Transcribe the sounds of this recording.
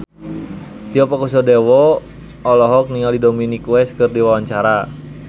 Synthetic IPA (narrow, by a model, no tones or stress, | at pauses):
t̪iɔpakusɔdɛwɔ | ɔlɔɦɔk̚niŋaldidominikwɛskɨrdiwawaɲt͡ʃaɾa